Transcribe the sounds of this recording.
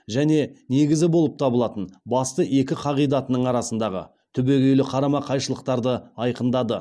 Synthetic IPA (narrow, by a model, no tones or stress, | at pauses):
ʒæne̞ne̞ɡʲɪzɪbo̞lˠəp̚t̪ʰɑbəlˠɑt̪ənbɑst̪əʔe̞kʲɪqʰɑʁijd̪ɑt̪ənəɴɑɾɑsənd̪ɑʁə̰ | t̪ʰʏbe̞ɡʲe̞jlɪqʰɑɾɑmɑqʰɑjʃəlˠəqt̪ɑɾd̪əɑjqənd̪ɑd̪ə